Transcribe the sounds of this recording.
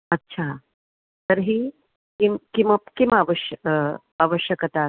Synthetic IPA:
ɐtːɕʰa | t̪əɾɦi | kimkiməkimaʋəɕ | aʋəɕjəkət̪a

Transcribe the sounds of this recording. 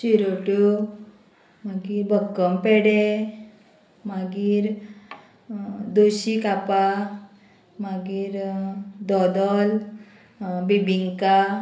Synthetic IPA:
ɕiɾoʈo | maɡiːɾbəkːəmpɛɽe | maɡiːɾ | d̪oɕikapa | maɡiːɾd̪ɔd̪ɔl | bibiŋka

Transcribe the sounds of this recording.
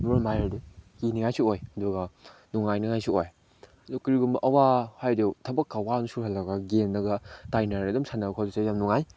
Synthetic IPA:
muɾɐmajadukiniŋajsuojɐduɡɐnuŋajniŋajsuoj | ɐdukɾiɡumbɐʔɐwahajdetʰɐbɐkːawanusuhɦɐlːɐɡɐɡemdɐɡɐtajnaɾɐdumsanɐbkʰodusajamnuŋaj

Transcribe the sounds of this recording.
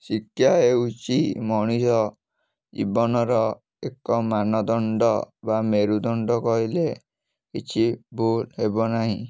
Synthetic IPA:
sikʰjaeut͡ʃimɔɽ̃isɔ | d͡ʒḭbɔnɔɾɔ | ekɔmanɔd̪ɔɳɖɔbameɾud̪ɔɳɖɔkɔɦile | kit͡ʃʰibʱulhebɔnaɦĩ

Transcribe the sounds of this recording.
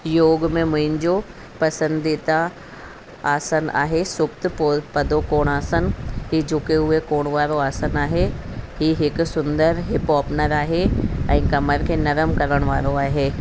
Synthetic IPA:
joːɡmẽmɐ̃ɪ̃nd͡ʒo | pɐsə̃nd̪it̪a | aːsəna̰ːɦesʊkt̪popɐd̪okoːɽ̃aːsənɦid͡ʒʊkeɦʊekoːɽ̃ʋaːɾoaːsənaːɦeɦiɦɪksʊ̃nd̪əɾɦɪpɔːpnəɾaːɦeɐ̰̃ĩkɐməɾkenɐɾəmkɐɾəɽ̃ʋaːɾoaːɦeː

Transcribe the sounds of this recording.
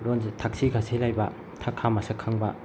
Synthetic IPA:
ɾonzitʰak̚siɡʰasʰelajbɐ | tʰakʰːamɐsakʰaŋbɐ

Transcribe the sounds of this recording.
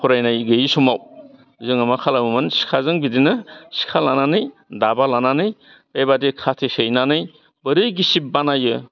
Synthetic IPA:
pʰɔɾajnajɡɯjisɔmaw | zɯŋamakʰalamɯmɯnsi̥kʰazɯŋbidinɯsi̥kʰalananɯj | dabalananɯj | pebadikʰatʰesejnanɯj | bɯɾɯjɡisip̚banajɯ

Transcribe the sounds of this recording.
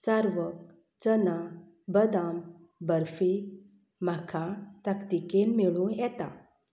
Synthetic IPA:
saɾʋək̚ | t͡səna | bəd̪am | bəɾfi | m̤akʰat̪akt̪ikenmiɭũjɛt̪a̰

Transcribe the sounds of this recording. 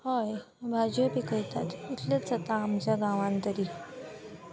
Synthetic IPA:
haj | bʱad͡ʑjəpikəjt̪a̰t̪it̪lət͡sət̪aːmt͡ɕjaɡãʋãnt̪əɾiː

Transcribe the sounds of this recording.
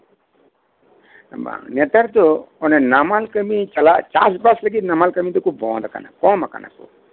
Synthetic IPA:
ba̰net̪aɾt̪oɔnenamalkəmit͡ʃɐlat͡ʃa̰sbasləɡinamalkəmit̪ukubɔ̃ːd̪aka̰na̰kɔ̃maka̰na̰kṵ

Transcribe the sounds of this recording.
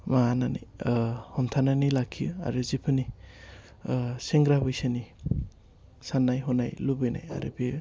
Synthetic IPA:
mananḭhɔntʰananilakʰijɯa̰ɾɯzipʰɯni | seŋɡɾabɯjsɯni | sanːajɦɔnajlubɯjna̰ja̰ɾɯ̰be

